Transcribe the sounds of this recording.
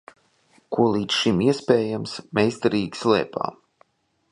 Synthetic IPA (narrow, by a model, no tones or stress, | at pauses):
kuɔlˠiːt̪sʃimiɛspʲɛːjamsmɛjst̪aɾiːɡslɛ̰ːpa̰ːm